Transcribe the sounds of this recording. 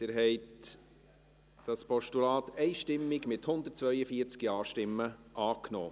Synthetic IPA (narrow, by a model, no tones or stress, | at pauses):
d̪̥ɪɾɦɛɪt | d̥ɑspʰɔʃtulɑːt̪ɛɪʃtɪmːɪɡmɪthʊnd̪ət̚t͡svœʏəfiːəɾt͡skiɑːʃtɪmːəʔɑːkno̰ː